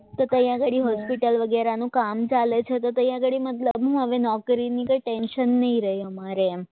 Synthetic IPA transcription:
t̪ot̪əjãɡəɽiɦɔspiʈəlʋəɡɛɾanũkamt͡ʃalet͡ʃʰet̪ot̪əjãɡəɽimət̪ləbɦũɦəʋenɔkɾinikəjʈɛnʃənːəĩɾəɦjəmaɾe

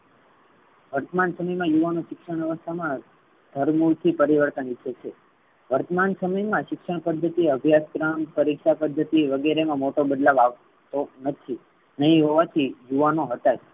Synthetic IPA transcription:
ʋəɾt̪əmansəməjmãjuʋanoʃɪkʂəɳ̃jəʋəst̪ʰamã | d̪̥ʱəɾmuɾt̪ʰipəɾiʋəɾt̪ənit͡ʃʰːet͡ʃʰe | ʋəɾt̪əmansəməjmãʃɪkʂəɽ̃pəd̪ʱːət̪iəbʱjaskɾampəɾikʃapəd̪ʱːət̪iʋəɡeɾemãmoʈobəd̪laʋaʋ | t̪onət̪ʰi | nəɦĩɦoʋat̪ʰijuʋanoɦət̪a

